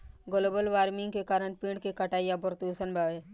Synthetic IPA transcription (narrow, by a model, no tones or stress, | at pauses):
ɡoloːbəlʋaːɾmɪ̃ŋɡkekaːɾəɳ̃pĩːɳɽɖkekɐʈaːijabəɾt̪usənbʱaːʋeː